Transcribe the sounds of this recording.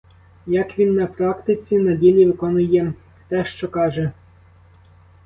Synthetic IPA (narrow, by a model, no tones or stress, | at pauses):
jɐkʋʲinːɐpɾɑkt̪ɪt͡sʲinɐdʲilʲiʋɪkɔnʊjɛ | t̪ɛʃt͡ʃɔkɑʒɛ